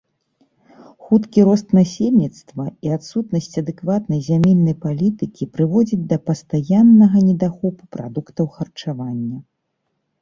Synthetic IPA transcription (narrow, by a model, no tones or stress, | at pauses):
xut̪kʲiɾɔst̪nasʲelʲnʲit̪st̪vɐiat̪sut̪nɐsʲt͡sʲɐd̪ɛkvat̪nɐjzʲamʲɛnːɐjpalʲit̪ɨkʲipɾɨvɔd͡zʲid͡zʲd̪ɐpɐst̪ajanːɐɣɐnʲɛd̪axɔpu̥pɾa̰d̪ukt̪ɐwxɐrt͡ʂavanʲːɐ